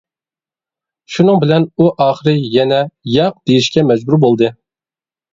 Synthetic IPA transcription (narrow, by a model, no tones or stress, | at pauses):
ʃunɨŋbɪlɛnuʔɑːχəɾɨjɛnɛjɑq̚d̪̥ejiʃkʲɛmɛd͡ʒbuɾbolˠd̪ɨ